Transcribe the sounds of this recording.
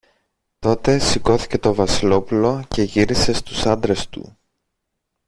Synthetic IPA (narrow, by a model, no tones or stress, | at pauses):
t̪o̞t̪e̞siko̞θi̥ce̞t̪o̞vɐsilo̞pulo̞ce̞ʝiɾise̞st̪usɐnd̪ɾe̞st̪ṵ